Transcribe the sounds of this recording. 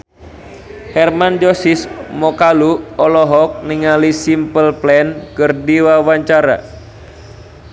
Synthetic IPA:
hɛrmand͡ʒosismɔkaluɔlɔɦɔk̚niŋalisimpəlplɛnkərdiwawaɲt͡ʃaɾa̰

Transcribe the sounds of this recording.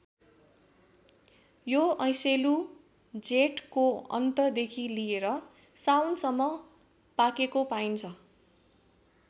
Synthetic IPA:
joʌ̃j̃selu | d͡zeʈkoʌ̰nt̪ʌd̪ekʰilijeɾʌ | sawnsʌmːʌ | pakekopaint͡sʰʌ

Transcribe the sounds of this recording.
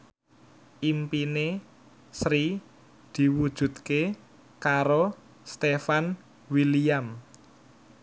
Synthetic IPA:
ʔimpine | sɾi | d̪̥i̤wud̥ʒ̥ṳt̪̚ke | kaɾo | st̪efan | wiliam

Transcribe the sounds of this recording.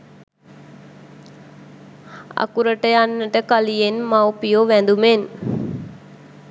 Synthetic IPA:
a̰kuɾəʈəjanːəʈəkalijenmawpijoʋænd̪umen

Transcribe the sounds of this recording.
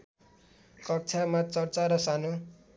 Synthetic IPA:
kʌk̚t͡sʰamat͡sʌrt͡saɾʌsanu

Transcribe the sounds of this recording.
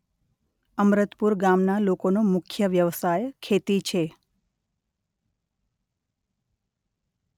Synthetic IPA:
əmɾət̪puɾɡamnalokonomʊkʰjəʋjəʋsajkʰet̪it͡ʃʰe

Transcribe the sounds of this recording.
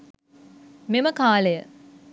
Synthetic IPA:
meməkaːləjə

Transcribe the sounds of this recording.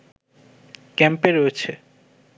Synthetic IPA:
kɛmpeɾoet͡ɕʰe

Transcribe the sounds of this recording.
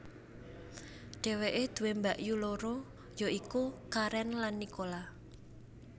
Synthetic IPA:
ɖ̥ɛ̤weʔed̪̥ṳwembaʔjuloɾo | joikukaɾɛnlanːikola

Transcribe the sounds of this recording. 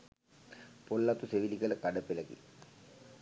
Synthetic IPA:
polːat̪useʋilikələkaɖəpeləkḭ

